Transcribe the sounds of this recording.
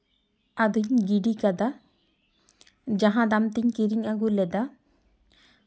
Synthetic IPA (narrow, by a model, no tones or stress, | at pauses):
ad̪uɲɡiɖikad̪a | d͡ʒaɦãd̪amt̪iɲkiɾiɲaɡuɾlɛd̪a